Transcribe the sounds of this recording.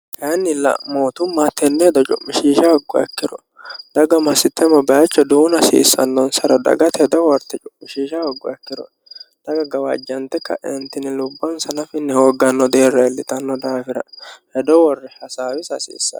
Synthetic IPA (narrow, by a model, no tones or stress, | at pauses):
hɐnːɪlɐ̰ʔmoːt̪ʊmːat̪ɛnːɛd̪ɔt͡ʃʼʊ̰mːɪʃiːʃɐhɔɡːɔ̰ɛ̰kːɪɾɔ̰ | d̪̥ɐɡɐmɐsɪt̪ːɛmɐbɛjɐt͡ʃːɔd̪uːnɐsḭːsːɐ̰nːɔnsɐɾɐd̪ɐ̰ɡɐt̪hɛd̪ɔwɔɾt̪ːɛt͡ʃʼʊmːɪʃiːʃɐhɔɡːɔɛkːɪɾɔ̰ | d̪̥ɐɡɐɡɐwɐ̰d͡ʒːɐnt̪ːɛkːɐ̰ʔɛnt̪ːɪnɪlʊbːɐnsɐnɐfɪnːɛhoːɡɐnːɔd̪e̞ːrːɐɛlːɪt̪ɐnːɔd̪aːfɪɾɐhɛd̪ɔwɔrːɛhɐsaːwɪsɐsḭːsːɐ̰